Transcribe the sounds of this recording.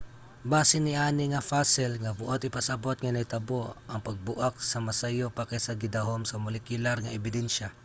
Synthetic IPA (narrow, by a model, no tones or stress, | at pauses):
baːsɪnɪʔaːnɪŋɐfasɪlŋɐbʊʔot̪ɪpɐsɐbot̪̚ŋɐnɐjt̪ɐboɐŋpɐɡ̚bʊʔak̚sɐmɐsɐjopɐkajsɐɡɪd̪aɦomsɐmʊlɛkjʊlaɾŋɐɛbɪd̪ɛnʃa